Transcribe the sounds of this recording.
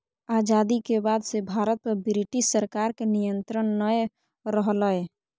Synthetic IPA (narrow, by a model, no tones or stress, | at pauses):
ad͡ʒad̪ikebad̪sebʱaɾət̪̚pəɾbɾiʈisːəɾkaɾkenijənt̪ɾənːəj | ɾəɦləj